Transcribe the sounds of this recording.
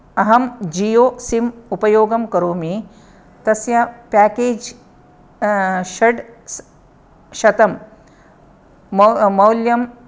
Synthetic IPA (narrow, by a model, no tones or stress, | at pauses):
ɐɦɐmd͡ʒijoːsimupɐjoːɡɐmkɐɾoːmi | t̪ɐsjɐpaːkeːd͡ʒ | ʃɐɖs | ʃɐt̪ɐm | mɐwljɐm